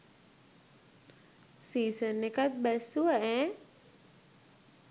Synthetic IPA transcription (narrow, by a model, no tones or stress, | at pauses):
sisənːekat̪̚basuaʔɛ̃